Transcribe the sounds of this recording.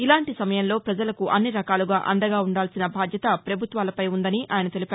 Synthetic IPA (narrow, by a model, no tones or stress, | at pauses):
ilaːɳʈisɐmɐjɐnlo̞ːpɾɐd͡ʒɐlɐkuʔɐnːiɾɐkaːluɡaːʔɐ̰ɳɖɐɡaːuɳɖaːlsinɐbʱaːd̪ʱjɐt̪ɐpɾɐbʱut̪ʋaːlɐpɐjund̪ɐniʔʔaːjɐnɐt̪e̞lipaː